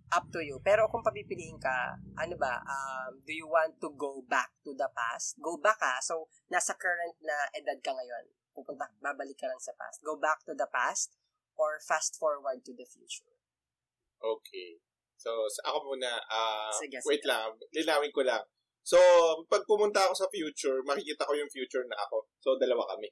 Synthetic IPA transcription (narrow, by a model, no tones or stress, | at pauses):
ʔɐp̚t̪ujupɛːɾo̞kʊŋpɐbipɪlihɪŋkɐ̰ʔɐnobɐ̰ʔɐmd̪ujuwãnt̪ːuɡowbak̚t̪ud̪ɐpa̰st̪̚ɡowbɐkɐsow | nasɐkɛɹɐnt̪̚nɐʔɐd̪ad̪̚kɐŋɐjo̞n | pupʊnt̪ɐbaːbɐlɪkːɐlɐŋsɐpa̰st̪̚ɡowbak̚t̪ud̪ɐpast̪̚ | ʔoɹfast̪foɹwɐɹd̪̚t̪ud̪ɐfjṵːt͡ʃʊɹ | ʔoːkʰe | sosʔɐ̰kopunɐʔasɡwɛt̪lamlɪnaːwɪŋkolɐŋ | sopɐɡ̚pʊmʊnt̪ɐɐko̞sɐfjuːt͡ʃʊɹmɐkɪkiːt̪ɐkojʊŋfjuːt͡ʃʊɹnɐʔɐ̰ko̞sod̪ɐlɐwakɐmɛ